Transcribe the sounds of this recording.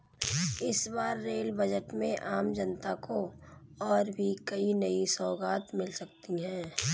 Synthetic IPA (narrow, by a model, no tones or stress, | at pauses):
ɪsbaːɾːeːlbəd͡ʒəʈmẽʔaːmd͡ʒənt̪akoɔːɾbʱikɐinəisɔːɡaːt̪mɪlsək̚t̪iɦɛ̃ː